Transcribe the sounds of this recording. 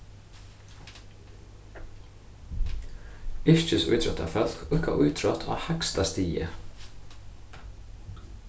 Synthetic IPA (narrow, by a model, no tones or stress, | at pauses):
ɪɹ̥t͡ʃɪsʊ̰jt̪ʰɾɔht̪a̰fœl̥kʊhkaʔʊjt̪ʰɾɔt̪ʰa̰hakst̪ast̪iːjə̰